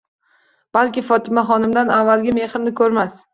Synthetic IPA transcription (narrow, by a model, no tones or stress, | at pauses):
b̥alkʲɪfɒt̪ʰɪmaχɒnɪmd̪anavːalɡʲame̞χɪmnɪkʰɵɾmas